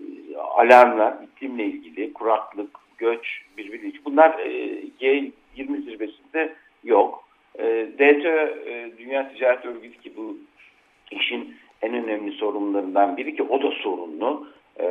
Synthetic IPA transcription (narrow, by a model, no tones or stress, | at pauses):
a̰lʲaɾmlˠaɾbit̪ʰːimlʲɛilʲɟilʲikʰuɾaklˠɯkɟ̥øt͡ʃbiɾbiɾlʲid͡ʒibunlˠaɾɟɛ | jiɾmisiɾbe̞sind̪ɛ | jokː | d̪et̪ʰød̪ynjaːt̪ʰid͡ʒaːɾɛt̪ʰø̞lʲɟylʲicʰibu | iʃin | ænø̞næmlʲiso̞ɾumlˠaɾɯnd̪anbiɾiciʔo̞d̪aso̞ɾṵnlˠʊ